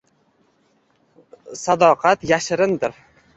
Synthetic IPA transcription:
sad̪ɒqʰɑt̪jaʃɪɾɪnd̪ɪɾ

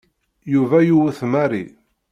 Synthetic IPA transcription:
juvæjuwθmæɾḭ

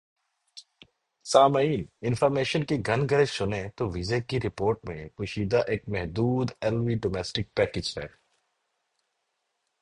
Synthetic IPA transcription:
saːmiːnɪnfɔːɾmeːʃənkiɡʱɐnɡʱəɾesʊnẽt̪oʋizekiɾɪpoːɾʈmḛ̃kʊːʃiːd̪aʔeːk̚mɛɦd̪uːd̪ɛlʋiɖoːmɛːsʈɪk̚pɛːkɪd͡ʒɦɛ̰ː

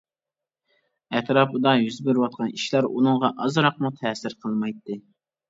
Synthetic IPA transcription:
ɛt̪ɾɑːpʰɨd̪ɑjyzbɪɾwɑt̪̚qʰɑniʃlæɾunɨŋʁɑʔɑzɾɑq̚mut̪ʰɛːsɪɾqʰəlˠmɑjt̪ːɨ

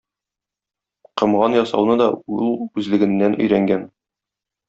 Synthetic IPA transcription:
qɤ̆mʁɑnjɒsɑ̰wnɤd̪ɒulˠʉzlɘ̆ɡɘ̆nːænʔɵ̆jɾæŋɡæn

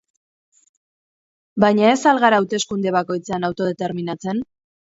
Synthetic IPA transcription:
bajɲae̞salɣaɾaːwt̪e̞skund̪e̞β̞ako̞jt͡seanawt̪o̞ð̞et̪e̞ɾminat͡se̞n

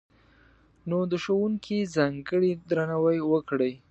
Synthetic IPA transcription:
nod̪əʃowuŋkʰizaŋɡəɽid̪ɾanawajwəkɽəj

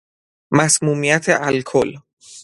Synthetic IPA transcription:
mæsmuːmijæt̪ʰḛʔælkʰol

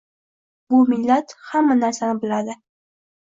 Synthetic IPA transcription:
bʊmɪlːat̪hamːanaɾsanɪbɪlad̪ɪ

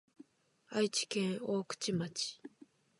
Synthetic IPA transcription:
ait͡ɕi̥kẽɰoːkɯ̟̥t͡ɕimat͡ɕi̥

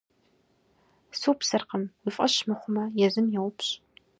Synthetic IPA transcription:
supsɨrqəmwʊfʼɐɕmɨχʷʊmɐjɛzɨmjɛwʊpɕʼ

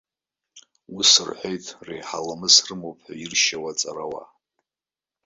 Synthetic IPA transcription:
usɨrħʷejtʼʰrejħalamɨsrɨmowpʼʰħʷairʃawat͡sʼaɾawa̰

